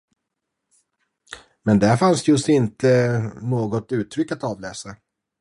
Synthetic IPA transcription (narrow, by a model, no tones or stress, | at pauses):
mɛnd̪æɾfansjɵsɪnt̪ənoːɡɔt̪ʉ̟ːt̪ʰːɾʏkːat̪ɑːvlɛːsa